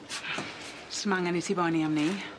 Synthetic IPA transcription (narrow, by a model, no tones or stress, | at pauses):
səmaŋanisʰivɔjniamni